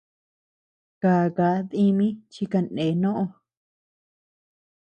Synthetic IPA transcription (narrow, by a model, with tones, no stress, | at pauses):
kaː˨ka˨˦ði˧mĩ˦t͡ʃi˧ka˧nẽ˨˦nõ˦ʔõ˧